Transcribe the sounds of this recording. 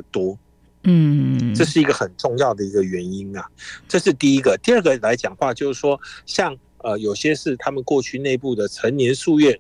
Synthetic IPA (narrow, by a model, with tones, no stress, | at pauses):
t̪wɔ˥˩ | ʈ͡ʂɤ˥˧ʂ̬ɻ̩˥˩i˧˥ɡə˨xə˨˩nʈ͡ʂʊ˥˧ŋjɑ˥˩ʊd̪ə˩i˧˦˥ɡə˧ɥɛ˨˧˥ni˦˥nɐ˨ʈ͡ʂɤ˥˧ʂɻ̩˥˧t̪i˥˧i˦˥ɡə˨t̪i˥˧ə˥˩ɡə˩la˧˥ɪt͡ɕjɑ˨˩ŋxwa˥˧t͡ɕjo˥˧ʊʂɻ̩˥˩ʂwɔ˥ɕjɑ˥˩ŋ | ə˧jo˨˩ʊɕjɛ˥ʂɻ̩˥˩t̪ʰa˥mə˨nkwɔ˥˧t͡ɕʰy˥˧ne˥˧ɪpu˥˩d̪ə˩ʈ͡ʂʰə˧˥nnjɛ˧˥nʂu˥˧ɥɛ˥˩n